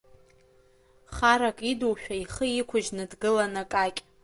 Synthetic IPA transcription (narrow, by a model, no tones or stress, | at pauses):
χaɾakʼiduwʃᶣaiχəikʷʰʊʒnɨdɡɨlanakʼakʲʼ